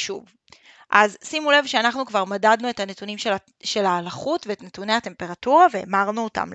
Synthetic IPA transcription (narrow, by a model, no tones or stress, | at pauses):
ʃṵv | ʔazsimule̞vʃeanaχnukvaʁmadadnue̞thane̞tunimʃe | ʃe̞laːlaχutveːtnetune̞jhate̞mpe̞ʁatuʁave̞̰ːmaʁnuota̰m